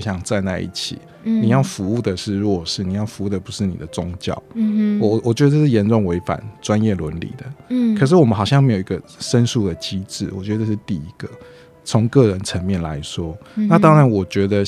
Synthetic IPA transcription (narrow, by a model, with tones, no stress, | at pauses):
ɕjɑ˥˧ŋt͡sa˥˧ɪt͡sa˥˧ɪʔḭ˥˩t͡ɕʰḭ˨˩˦ | ni˨˩jɑ˥˩ʊfu˧˦u˥˩d̪ə˩ʂɻ̩˥˧ɻu˧wɔ˥ɔ˨˩ʂɻ̩˥˩ni˨˩jɑ˥˩ʊfu˧˥u˥˩d̪ə˩pu˧˦ʂɻ̩˥˩nḭ˨˩d̪ə˦t͡sʊ˦ŋt͡ɕjɑ̰˥˩ʊ˨ | wɔ˨˩t͡ɕɥɛ˧˥d̪ə˧ʈ͡ʂə˥ʂ̩˥˩jɛ˧˥nʈ͡ʂʊ˥˩ŋwe˧˥ɪfa̰˨˩nʈ͡ʂwa˦˥njɛ˥˩lwə˧˦nlḭ˨˩d̪ə˦kʰɤ˨˩ʂ̬ɻ̩˥˩wɔ˨˩mə˦nxɑ˨˩ɕjɑ˥˩ŋme˧˥ɪo˨˩i˦ɡə˧ʂə˦˥nsu˥˩d̪ə˩t͡ɕi˦˥ʈ͡ʂɻ̩˥˩wɔ̰˨˩t͡ɕɥɛ˧˥dəə˧˥ʂɻ̩˥˧t̪i˥˧i˧˥ɡ̥ə˨ | t͡sʰo˧˦˥ŋkɤ˥˩ɻə˧˦nt͡sʰə˧˥nmjɛ˥˩nla̰˧˦ɪʂwɔ˥na˥˨t̪ɑ˥ŋɻa˧˦nwɔ˨˩t͡ɕɥɛ˧˥d̪ə˧